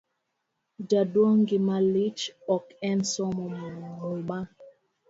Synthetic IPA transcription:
d͡ʒadwɔŋɡimalit͡ʃɔkɛnsɔmɔmonoŋoɓa

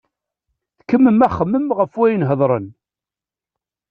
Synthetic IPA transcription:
θkəmːəmæχːəmːəmʁəfwæjənɦəðˤɾˤən

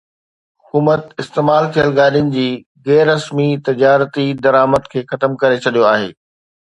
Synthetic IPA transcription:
ɦʊkuːmət̪ɪst̪eːmaːlk̪ʰiəlɡaːɗijʊnɪ̆d͡ʑiː | ɣɛːɾːɐsmit̪ɪd͡ʑaːɾt̪id̪ɐɾaːməd̪kʰeːxɐt̪əmkɐɾet͡ɕʰɐɗijoaːɦḛː

